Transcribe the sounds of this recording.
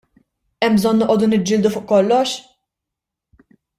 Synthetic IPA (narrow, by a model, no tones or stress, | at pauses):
ɛmːbzɔnːɔʔɔːd̪unɪd͡ʒːɪːld̪ufʊːʔkɔlːɔʃ